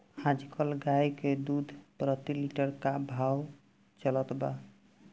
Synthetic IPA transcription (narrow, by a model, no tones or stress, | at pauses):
hãd͡ʒkʰəlɡajked̪ud̪ʱpɾət̪iliʈəɾkabʱaw | t͡ʃələt̪ba̰